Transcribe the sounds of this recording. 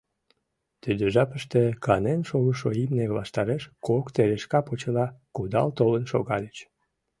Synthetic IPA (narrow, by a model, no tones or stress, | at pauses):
t̪yd̪øʒɑpəʃt̪ekɑnenʃoɣəʃoimneβlɑʃt̪ɑɾeʃkokt̪eɾeʃkɑpot͡ɕəlɑkud̪ɑ̰lt̪olənʃo̰ɣɑlət͡ɕ